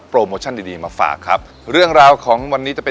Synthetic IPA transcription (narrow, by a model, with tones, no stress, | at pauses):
pːɾoː˧moː˧t͡ɕʰa˥˩ndiː˧diː˧maː˧fa̰ː˨˩kʰːa˦˥p̚ | ɾɯ˥˩əŋɾaː˧wkʰɔː˩˦ŋwa˧nːi˦˥t͡ɕa˨˩pe˧